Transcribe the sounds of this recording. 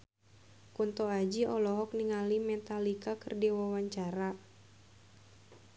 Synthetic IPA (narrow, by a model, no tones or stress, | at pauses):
kunt̪ɔad͡ʒiʔɔlɔɦɔk̚niŋalimɛt̪alikakərdiwawaɲt͡ʃaɾa